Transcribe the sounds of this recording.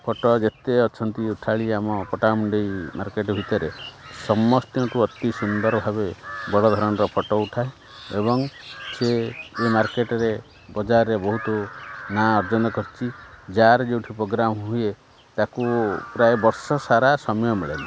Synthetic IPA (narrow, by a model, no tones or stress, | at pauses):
pʰɔʈɔd͡ʒet̪eɔt͡ʃʰɔnt̪iuʈʰaɭiamɔpɔʈamuɳɖejma̰ɾkeʈɔbʱit̪ɔɾesɔmːɔst̪jɔ̃ʈuɔt̪isund̪ɔɾɔbʱabebɔɽɔd̪ʱɔɾɔɽ̃ɔɾɔpʰɔʈɔuʈʰae | ebɔŋseːmaɾkeʈɔɾe | bɔd͡ʒaɾɔɾebɔɦut̪ɔnaɔɾd͡ʒɔnɔkɔɾit͡ʃʰid͡ʒaɾd͡ʒeuʈʰipɾoɡɾamɦuje | t̪akupɾajebɔɾsɔsaɾasɔmɔjɔmiɭeni